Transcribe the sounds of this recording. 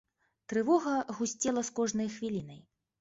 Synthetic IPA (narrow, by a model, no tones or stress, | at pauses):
t̪ɾɨvɔɣɐɣusʲt͡sʲɛlˠɐskɔʐnɐjxvʲilʲinɐj